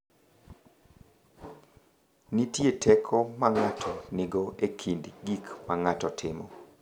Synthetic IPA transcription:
nitjetʰɛkʰɔmaŋatʰɔnɪɡɔʔekʰindɡikmaŋatɔtʰɪmɔ

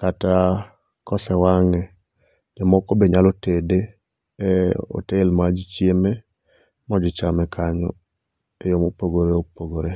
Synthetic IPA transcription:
kata | kɔsɛwaŋɛ | d͡ʒɔmɔkobeɲalotede | o̰telmad͡ʒit͡ʃjeme | mɔd͡ʒɪt͡ʃamɛkʰaɲɔ̰ | ejomopoɡoɾeopoɡoɾe

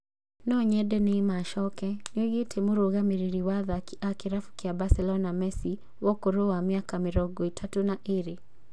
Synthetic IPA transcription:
nɔɲɛdɛneːmaʃɔkɛnoɣetʰemoɾoɣameɾiɾiwaðaakeɾafu̥kiabasɛlɔnamɛsi | wɔkoɾowamiakameɾɔɡɔitʰatunaʔeɾe

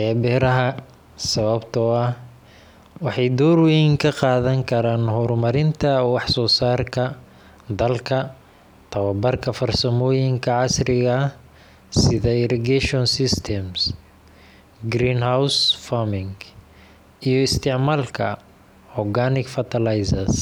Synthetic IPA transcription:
ɛːbɛːɾɐɦɐ | sɐβɐbt̪ʰɔɐ | wɑħɑjd̪ɔːrwɛjŋkʰɐqɑːðɐŋkʰɐɾaːnɦɔɾmɐɾɪnt̪ʰɐwɑħsɔːsaːrkʰɐ | d̪ɐlkʰɐ | t̪ʰɐwɐbɐrkʰɐfɐrsɐmɔːjɪŋkʰɐʕɑsrɪɣɐ | sɪðɛɪɾɛɡɛʃɔnsɪst̪ʰɛms | ɡɾiːnhawsfamɪŋɡ | ijɔɪst̪ʰɪʕmaːlkʰɐ | ʕɔɡanɪkfɐt̪ʰɐlajsɐs

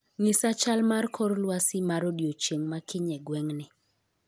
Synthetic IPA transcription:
ŋɪsat͡ʃalmarkʰɔɾlwasɪmaɾodjot͡ʃeŋmakɪɲɛɡwɛŋnɪ

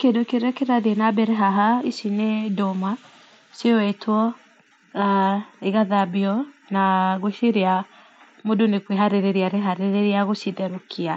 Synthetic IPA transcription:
kedokeɾɛkeɾaðenabɛɾɛɦaɦaisinedoma | sjɔwɛtwɔ | eɣaðabiɔnaɣoʃeɾea | modonekweɦaɾeɾeɾiaɾeɦaɾeɾeɾeaɣoʃiðɛɾokʰia

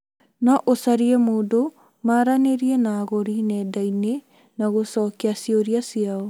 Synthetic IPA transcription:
nɔʔosaɾiɛmodo | maɾaneɾiɛnaːɣoɾinɛdaine | naɣosɔkeasioɾiasiao

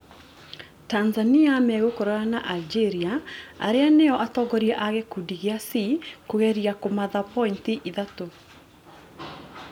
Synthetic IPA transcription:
tanzaniamɛɣokoɾɔɾanaʔald͡ʒeɾiaa̰ɾeaneɔʔatɔŋɡɔɾiɛʔaɣɛkudiɣeasikoɣɛɾiakomaðapɔintiʔiðato

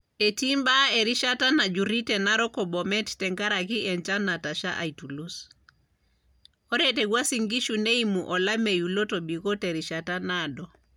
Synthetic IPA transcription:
etimbaɛɾiʃatanad͡ʒuɾitɛnaɾɔkɔbɔmɛttɛŋɡaɾakiʔɛnt͡ʃanataʃaʔaitulus | ɔɾɛtɛɡwasiŋɡiʃuneimuʔɔlamejulɔtɔbikɔtɛɾiʃatanadɔ

